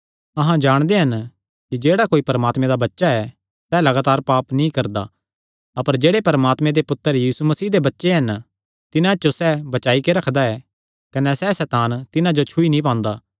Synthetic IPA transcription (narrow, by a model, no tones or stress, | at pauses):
ɐɦãd͡ʒaːɽ̃d̪eɦɐn | kid͡ʒeːɽakoːipɐɾəmaːt̪mẽd̪abɐtːʃaɛ | sɛlɐɡaːt̪aːɾpaːpnĩkɐɾd̪a̰ | ɐpəɾd͡ʒeːɽepɐɾmaːt̪mẽd̪epʊt̪ːəɾjiːsumɐsiːd̪ebɐtːʃeɦɐn | t̪ɪnãt͡ʃosɛːbɐt͡ʃaːikeɾɐkʰd̪aɛ | kɐnɛsɛsɛːt̪aːnt̪ɪnãd͡ʒot͡ʃʰʊinĩp̬ãːnd̪aː